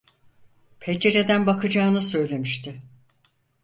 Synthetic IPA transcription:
pʰed͡ʒe̞ɾe̞d̪ænbakʰɯd͡ʒaːnɯsø̞jlʲe̞miʃt̪ʰɪ

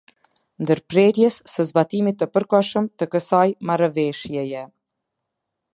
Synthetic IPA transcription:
nd̪əɾpɾɛɾjɛsːəzbat̪imit̪ːəpəɾkɔʃəmt̪əkəsajmaɾvɛʃjɛjɛ

